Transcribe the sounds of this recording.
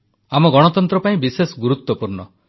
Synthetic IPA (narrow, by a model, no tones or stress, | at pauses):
amɔɡɔɽ̃ɔt̪ɔnt̪ɾɔpaĩbisesɔɡuɾut̪wɔpuɾɳɔ